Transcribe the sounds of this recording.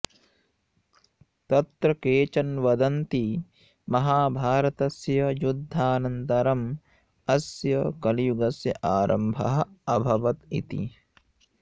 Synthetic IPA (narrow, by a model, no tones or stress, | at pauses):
t̪ɐt̪ɾɐkeːt͡ʃɐnʋɐd̪ɐnt̪i | mɐɦaːbʱaːɾɐt̪ɐsjɐjud̪ʱːaːnɐnt̪ɐɾɐm | ɐsjɐkɐlijuɡɐsjɐʔaːɾɐ̰mbʱɐ̰ɦɐ̆ɐbʱɐʋɐt̪ḭt̪ḭ